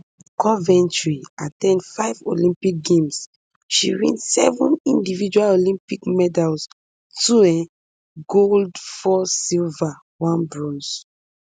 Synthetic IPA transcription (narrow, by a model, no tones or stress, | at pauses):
kɔvɛ̃ntɹiatɛ̃ndfaɪvo̰lĩmpik̚ɡẽms | ʃiɹḭ̃nsɛ̰vũnĩndivid͡ʒualolĩmpikmɛdals | tuɛ̃ | ɡoldfɔsilva | wãnbɹɔ̃ns